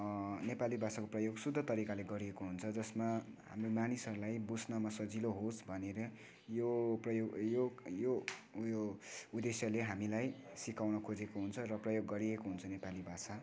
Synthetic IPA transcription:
nepalibʱasakoprʌjoɡsud̪ʱːʌt̪ʌɾikaleɡʌɾiekoɦunt͡sʰʌd͡zʌsmaɦa̰mromanisʌɾulajbusnʌmasʌd͡ziloɦosbʱʌneɾʌ | joprʌjoɡjojojoud̪esjʌleɦamilajsikawnʌkʰod͡zekoɦunt͡sʰʌrʌprʌjoɡːʌɾiekoɦunt͡sʰʌnepalibʱasa

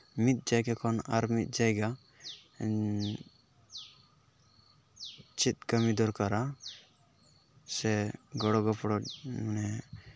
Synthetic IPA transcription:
mit̪̚ˀd͡ʒajɡakʰɔnaɾmit̪̚ˀd͡ʒajɡa | t͡ʃit̪̚kəmid̪ɔɾkaɾa | sɛɡɔɽɔɡɔpɽɔmanɛ

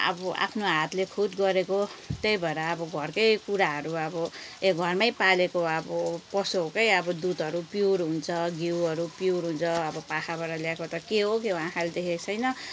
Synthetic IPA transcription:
ʌ̰bʌa̰pʰnoɦat̪lekʰud̪ɡʌɾekot̪ejbʱʌeɾʌːbʌɡʱʌrkʌjkuɾaɦʌɾuʌbʌeɡʱʌrmajpalekoʌbʌpʌsoɦokʌjʌbʌd̪ud̪ʌɾupjuɾɦunt͡sʰʌɡiwʌɾupjuɾɦunt͡sʰʌʌbʌpakʰabʌɾʌljaekot̪ʌkeɦokewãkald̪ekʰet͡sʰʌjnʌ

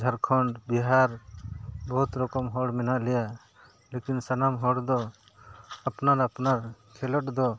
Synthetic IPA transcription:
d͡ʒʱaɾkʰɔɳɖbiɦaɾ | bɔɦut̪ɾɔkɔmɦɔɽmɛnaʔlɛja | lekinsanamɦɔɽd̪ɔ | apnaɾapnaɾkʰɛlɔʈ̚d̪ɔ

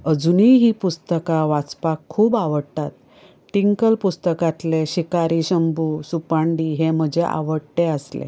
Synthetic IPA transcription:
əd͡zuniɦiːpust̪əkaʋat͡spakʰːuːbaʋəɽt̪at̪̚ | ʈiŋkəlpust̪əkat̪leɕikaɾiɕəmbuːsupaɳɖiːɦem̤əd͡ʑʱeʔa̰ʋəɽt̪eəslḛ

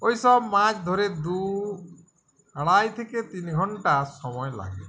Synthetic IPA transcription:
ojsɔbmat͡ʃd̪ʱoɾed̪u | aɽ̃ajt̪ʰeket̪inɡʱɔɳʈasɔmɔjla̰ɡe

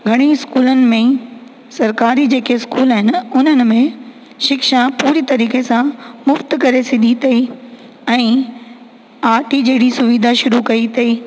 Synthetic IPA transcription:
ɡʱɐɽ̃iɪskuːlənɪ̆mẽ | sɐɾkaːɾid͡ʑeːkeɪskuːlaɦɪnɪ̆ʊn̤ənɪ̆mẽ | ʃɪkʃapuːɾit̪ɐɾiːkesãmʊft̪kɐɾesɪd̪ʱit̪ʰɐi | ɛ̃ː | aːɾʈʰid͡ʑeːɽisʊʋiːd̪ʱaʃʊɾukɐit̪ʰɐiː

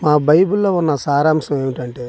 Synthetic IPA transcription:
maːbɐjbulːo̞ːunːɐsaːɾaːmʂɐmeːʋiʈɐɳʈe

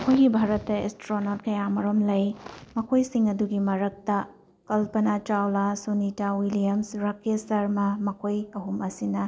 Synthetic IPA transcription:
ɐkʰojɡibʱaɾɐtːɐḛstɾonot̚kɐjamɐɾomlɐjmɐkʰojsiŋɐduɡimɐɾɐk̚tɐ | kɐlpɐnat͡ʃawlasonitawilijɐmsɾɐkesɐɾmɐmɐkʰojɐɦumɐsinɐ

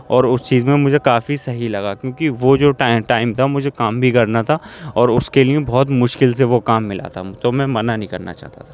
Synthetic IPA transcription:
ɔːɾʊst͡ʃiːzmẽmʊd͡ʒʱekaːfisɐɦilɐɡakjõːkiʋod͡ʒoːʈaːɪʈaːɪmt̪ʰamʊd͡ʒʱekaːmbʱikɐɾnat̪ʰaɔːɾʊskelijẽbɔːt̪mʊʃkɪlseʋokaːmːɪlʔa̰t̪ʰat̪omɛ̃mɐnanɦĩkɐ̰ɾna̰t͡ʃa̰ːɦt̪a̰t̪ʰa

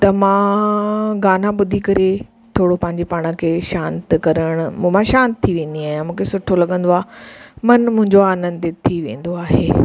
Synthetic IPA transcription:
t̪ɐmãː | ɡaːnaɓʊd̪ʱikɐɾe | t̪ʰoːɽopɐ̃ɦɪ̃ɲd͡ʑepaːɽ̃ə̆kʰeːʃãːnt̪kɐɾəɽ̃ʊm̃ːmãʃãːnt̪t̪ʰːiʋẽːn̆d̪iaːɦijãmũːkʰesʊʈʰolɐɠə̃nd̪oaːmɐnmʊ̃ɦɪ̃ɲd͡ʑoaːnə̃nd̪t̪et̪ʰiʋḛ̃ːn̆d̪oaːɦeː

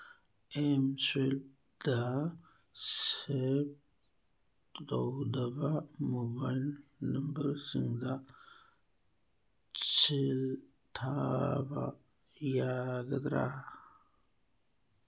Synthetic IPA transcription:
emsel | d̪a | sep̚ | dowd̪abamobajlnəmbəɾsiŋɡd̪a | t͡sʰil | t̪ʰaba̰ | jaɡəd̪ɾa

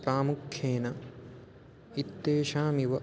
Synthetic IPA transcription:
pɾaːmukʰjeːnɐ | it̪ːeːʃaːmiʋɐ

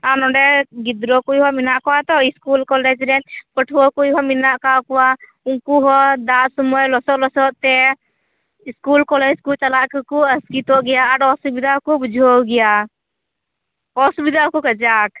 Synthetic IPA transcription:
anɔɖɛɡid̪ɾɔkujɦɔminaʔkɔwat̪ɔiskulkɔlɛd͡ʒɾɛnpəʈʰuwɔkujɦɔminaʔkakɔwa | uŋkuɦɔd̪aʔsumɔjlɔsɔʔlɔsɔʔt̪ɛ | iskulkɔlɛd͡ʒkut͡ʃalaʔkkuəskit̪ɔʔɡɛjaːɽɔsubid̪akɔbud͡ʒʱowɡɛja | ɔsubid̪akɔkəd͡ʒak̚

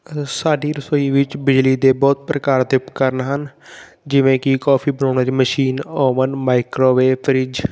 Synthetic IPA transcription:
saːɖiːɾəsəiːʋɪt͡ʃbɪd͡ʒliːd̪eːbɔːt̪̚pɾəkaːɾd̪ɪpkəɾnɦən | d͡ʒɪʋẽːkikɔːpʰiːbənɔːnaːt͡ʃiməʃiːnɔːmənmaːɪkɾoːʋeːpʰəɾɪd͡ʒ

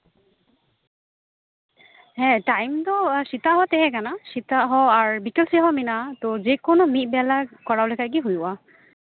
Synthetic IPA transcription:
ɦɛ̃tajmtɔsitaɦɔtɛɦɛɡanasitaɦɔaɹbikɛlsiɦɔminatozekʊnʊmit̚bɛlakɔɹawlɛkaɡ̬iɦujwa

